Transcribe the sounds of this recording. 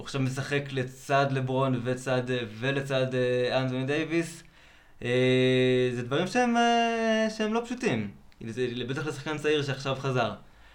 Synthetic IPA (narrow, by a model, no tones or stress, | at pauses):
uaχʃavmes̬aχe̞klet͡sad̪lebʁo̞nvet͡sad̪ve̞let͡sadeant̬onid̪ejvis | e | zed̪vaʁimʃeemeʃeemlo̞pʃutim | zelebe̞t̪aχle̞saχkant͡saiʁʃeaχʃavχazaʁ